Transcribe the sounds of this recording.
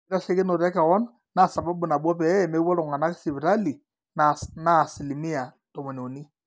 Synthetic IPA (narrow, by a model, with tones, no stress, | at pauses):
i˦ɾa˦ʃe˦kɪ˦no˨ɾɛ˦ka˨wɔ˦n | na˦˨sa˨ba˦bu˨na˨bwɔ˦pɛ˨˦˨mɛ˦wɔ˦lʊ˨ŋa˨na˦kɪ̥˦sɪ˨βi˨ɾa˦li˨ | nana˦˨sɪ˨li˨mi˦a˨ | to˨mo˨ne˨o˨ni˦